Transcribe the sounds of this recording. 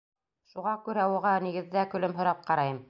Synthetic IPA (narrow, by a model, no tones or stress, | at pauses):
ʃuʁɑkʉɾæuʁɑniɡɘ̆ðːækɵ̆lɵmɦŏɾɑp̚qɑɾɑjɤm